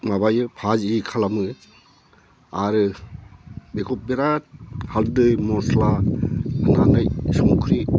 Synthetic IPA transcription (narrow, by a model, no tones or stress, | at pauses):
maβajɯpʰaziikʰalamɯ | aɾɯ | bekʰɔp̚beɾat̚haldɯjmɔsla | ɯnanɯjsɔŋukʰɾi